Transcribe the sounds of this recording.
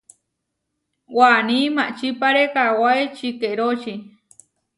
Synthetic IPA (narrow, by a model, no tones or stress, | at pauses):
wanimaʔt͡ʃipaɾekawaet͡ʃikeɾot͡ʃi